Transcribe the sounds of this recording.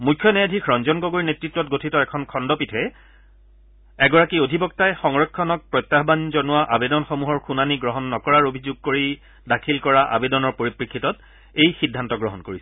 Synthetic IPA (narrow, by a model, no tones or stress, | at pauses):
mujkʰːjɔnɛjadʱikʰɹɔnzɔnɡoɡoɹinetɹitːwɔtɡotʰitɔɛkʰɔnkʰɔndɔpitʰɛ | ɛɡɔɹakiodʱibɔk̚tajxɔŋɹɔkʰːɔnɔk̚pɹɔjt̪ːaɦbanzɔnʊwaʔabedɔnxomuɦɔɹxunaniɡɹɔɦɔnːɔkɔɹaɹobʱizuɡ̚koɹi | dakʰilkɔɹaʔa̰bedɔnɔɹpoɹipɹikʰːitɔt | ejxidʱːantɔɡɹɔɦɔnkoɹisɛ